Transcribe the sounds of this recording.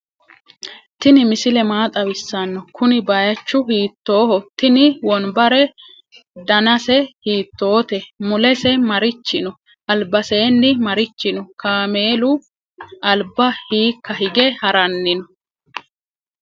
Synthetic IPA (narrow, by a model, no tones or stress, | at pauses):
t̪ɪnɪmɪsɪlɛmaːt̪ʼɐwɪsːɐanːɔkʊnɪbɐjɐt͡ʃːʊɦiːt̪ːo̞ːhɔt̪ːɪnɪwɔnbɐɾɛ | d̪ɐnɐsɛhiːt̪ːo̞ːt̪ɛmʊlɛsɛmɐɾɪt͡ʃːɪnɔ | ʔɐlbɐse̞ːnːɪmɐɾɪt͡ʃːɪnɔkaːme̞ːlʊ | ʔɐlbɐhiːkːɐhɪɡɛhɐɾɐnːɪnɔ